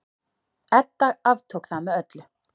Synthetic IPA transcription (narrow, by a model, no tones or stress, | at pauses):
ɛt̪ːaɣavt̪ʰoːwkθamːɛœt̪lʏ